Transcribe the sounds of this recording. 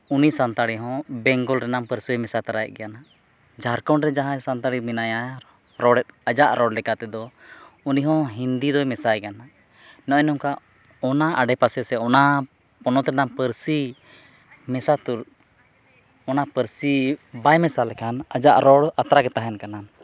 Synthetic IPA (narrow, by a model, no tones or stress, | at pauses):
unisant̪aɽiɦɔ̃bɛŋɡɔlɾɛnampəɾsiɛmɛsat̪aɾajɛʔ̚ɡɛjana | d͡ʒʱaɾkɔɳɾɛd͡ʒaɦãsant̪aɽiminaja | ɾɔɽɛt̪̚ad͡ʒaʔɾɔɽlɛkat̪ɛd̪ɔuniɦɔ̃ɦind̪id̪ɔmɛsajkana | nɔʔɔnɔmka | ɔnaʔaɖɛpasɛsɛɔna | pɔnɔt̪ɾɛnampəɾsi | mɛsat̪uɾ | ɔnapəɾsibajmɛsalɛkʰanad͡ʒaʔɾɔɽat̪ɾakɛt̪aɦɛnkanan